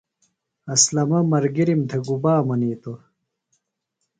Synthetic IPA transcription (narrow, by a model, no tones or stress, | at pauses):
ɐslɐmɐmɐɾɡiɾimd̪ʰɐɡubaːmɐniːt̪o